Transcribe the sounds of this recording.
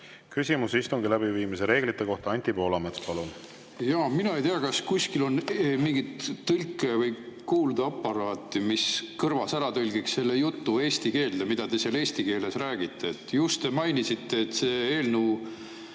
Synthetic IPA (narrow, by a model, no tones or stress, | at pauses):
kysʲimusist̪uŋɡilæb̥iviːmiseɾe̞ːɡ̥lit̪ːˑe̞ko̞ht̪ɑɑnʲt̪ʲipo̞ːlɑmet̪spɑlun | jɑːminɑe̞jt̪eɑkɑskusʲkilo̞nmiŋɡit̪ːɯlʲkːˑe̞vɤ̞jkuːld̪̥ɑɑpːɑɾɑːt̪ːˑimiskɤrvɑsæɾɑt̪ɯlʲɡiksse̞lːe̞jut̪ːue̞ːst̪ike̞ːld̪emid̪̥ɑd̪e̞seːle̞ːsʲt̪ike̞ːle̞sræːɡ̥it̪ːe̞et̪ːˑjust̪t̪e̞mɑjnisit̪ːe̞ːt̪ːseːeːlnu